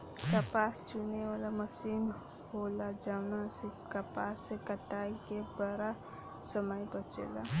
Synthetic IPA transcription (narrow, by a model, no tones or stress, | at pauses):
kəpast͡ʃunewalaməsin | holad͡ʒaʊnasekəpasekəʈaikebəɾa | səməjbət͡ʃḛla